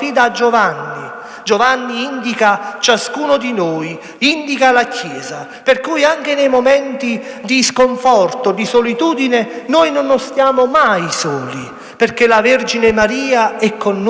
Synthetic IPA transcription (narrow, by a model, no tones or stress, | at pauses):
iːd̪aːd͡ʒːovanːi | d͡ʒovanːiind̪ikat͡ʃaskuːnod̪inoːj | ind̪ikalakjɛːza | perkuːjaŋk̟enejmomɛnt̪id̪iskoɱfɔrt̪od̪isolit̪uːd̪inenojnʊnːost̪jaːmomajsɔːli | perk̟elaverd͡ʒinemaɾiːaɛkʰːonː